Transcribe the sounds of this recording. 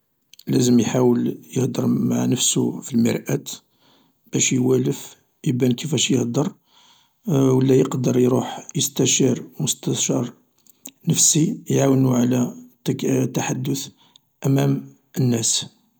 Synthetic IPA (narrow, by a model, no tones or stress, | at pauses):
læzəmjħawəljəhd̪əɾˤmaʕnəfsufilmə̰ɾˤʔæt̪ | b̥æʃjwæləf | jbænkəfæʃjəhd̪əɾˤ | wəlːæjəqd̪əɾˤjɾuħjəst̪æʃɑɾˤmʊst̪æʃɑɾˤ | nəfsijʕawnuʕlæ | t̪ːaħad̪ːʊθ | ʔæmæm | ʔənːæs